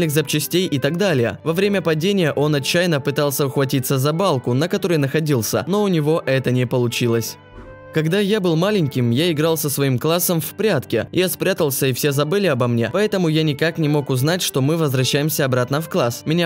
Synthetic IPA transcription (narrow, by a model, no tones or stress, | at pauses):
ɪxzɐp̚t͡ɕɪsʲtʲejʔɪt̪aɡd̪alʲɪjə̰vɐvɾʲemʲəpɐdʲenʲɪjəʔo̞nɐt͡ɕːæjnəpɨt̪alˠsʲəʊxvɐtʲit̪səzɐbalˠkʊnəkɐt̪o̞ɾəjnəxɐdʲilˠsʲə̰no̞ʊnʲɪvo̞ʔɛt̪ənʲɪpəlˠʊt͡ɕilˠəsʲ | kɐɡd̪ajabɨlˠmalʲɪnʲkʲɪmjaɪɡɾalˠsəsvɐimklˠasːəmfʲpɾʲat̪kʲɪ̰ɪ̰jaspɾʲat̪əlˠsʲəɪfsʲe̞zɐbɨlʲɪɐbɐmnʲe̞pɐɛt̪əmʊjanʲɪkaknʲɪmo̞kʊznatʲʂt̪o̞mɨvəzvɾɐɕːæjɪmsʲəɐbɾat̪nəfklˠasmʲɪnʲa